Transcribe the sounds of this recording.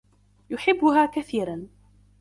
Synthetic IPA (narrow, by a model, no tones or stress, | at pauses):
jʊħɪbːʊɦaːkaθiːɾan